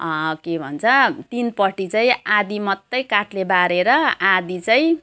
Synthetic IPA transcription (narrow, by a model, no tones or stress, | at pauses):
kebʱʌ̰nt͡sʰʌt̪inpʌʈit͡saĩad̪imʌt̪ːʌjkaʈlebaɾeɾʌad̪it͡saĩ